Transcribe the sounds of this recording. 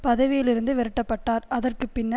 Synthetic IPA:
pɐðɐʋɪjɪlɪɾɯnd̪ɯʋɛɾɯʈːɐpːɐʈːaːɾɐðɐrkɯpːɪnːɐ

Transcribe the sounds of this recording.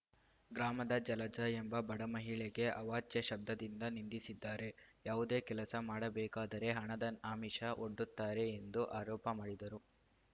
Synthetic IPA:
ɡɾaːmɐd̪ɐd͡ʒɐlɐd͡ʒɐembɐbɐɽɐmɐɦiɭeɡe̞ʔɐʋaːt͡ʃjɐʃɐb̚d̪ʱɐd̪ind̪ɐnind̪isid̪ːaːɾe̞jaːʋud̪e̞ːkɛlɐsɐmaːɽɐbɛːkaːd̪ɐɾe̞ɦɐɳɐd̪ɐnaːmiʂɐʔoɖːut̪ːaːɾe̞ːnd̪uʔaːɾɔːpɐmaːɽid̪ɐɾu

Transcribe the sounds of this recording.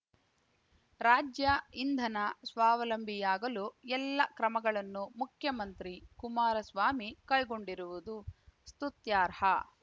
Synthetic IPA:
ɾaːd͡ʒjɐind̪ʱɐnɐsʋaːʋɐlɐmbʱijaːɡɐluɛlːɐkɾɐmɐɡɐɭɐnːumukʰjɐmɐnt̪ɾikumaːɾɐsʋaːmikɐjɡo̞ɳɖiɾuʋud̪ust̪ut̪jaːɾhɐ

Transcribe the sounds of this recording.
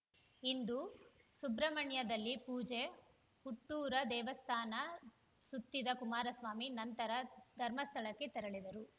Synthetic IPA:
ind̪usubɾɐmɐɳjɐd̪ɐlːipuːd͡ʒe | kuʈːuːɾɐd̪ɛːʋɐst̪ʰaːnɐ | sut̪ːid̪ɐkumaːɾɐsʋaːminɐnt̪ɐɾɐd̪ʱɐɾmɐst̪ʰɐɭɐkːe̞t̪ɛɾɐɭid̪ɐɾu

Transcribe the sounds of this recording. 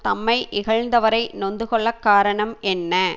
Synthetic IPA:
t̪ɐmːɐɪʔɪɣɐɻnd̪ɐʋɐɾɐɪnɔnd̪ɯkɔɭːɐkːaːɾɐɳɐmɛnːɐ

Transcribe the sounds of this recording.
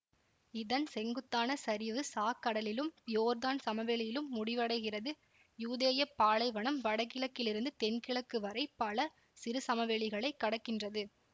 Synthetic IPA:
ɪðɐnsɛŋɡɯt̪ːaːnɐsɐɾɪʋɯsaːkːɐɽɐlɪlɯmjoːɾðaːnsɐmɐʋɛɭɪjɪlɯmːʊɽɪʋɐɽɐɪɣɪrɐðɯ | juːðeːjɐpːaːlɐɪʋɐɳɐmʋɐɽɐkːɪɭɐkːɪlɪɾɯnd̪ɯt̪ɛnkɪɭɐkːɯʋɐɾɐɪpːɐɭɐ | sɪɾɯsɐmɐʋɛɭɪɣɐɭɐɪkːɐɽɐkːɪndrɐðɯ

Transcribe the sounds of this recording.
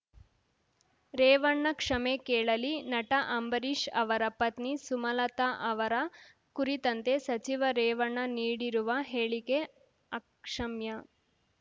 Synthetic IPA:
ɾeːʋɐɳːɐkʂɐmekeːɭɐlinɐʈɐʔɐmbɐɾiʂɐʋɐɾɐpːɐt̪nisumɐlɐt̪ɐʔɐʋɐɾɐ | kuɾit̪ɐnt̪esɐt͡ʃiʋɐɾeːʋɐɳːɐniːɽiɾuʋɐɦeːɭike | ɐkʂɐmjɐ

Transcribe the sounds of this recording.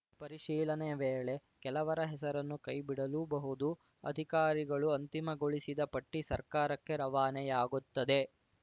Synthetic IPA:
pɐɾiʃiːlɐneʋeːɭe̞kɛlɐʋɐɾɐɦɛsɐɾɐnːukɐjbiɽɐluːbɐɦud̪u | ɐ̰d̪ʱikaːɾiɡɐɭuɐnt̪imɐɡoɭisid̪ɐpɐʈːisɐ̰ɾkaːɾɐkːe̞ɾɐʋaːnɛjaːɡut̪ːɐd̪e̞

